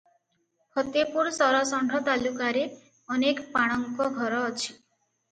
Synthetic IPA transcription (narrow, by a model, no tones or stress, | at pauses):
hɔt̪epuɾsɔɾɔsɔɳɖʱɔt̪alukaɾe | ɔnekpaɽ̃ɔŋkɔɡʱɔɾɔːt͡ʃʰi̥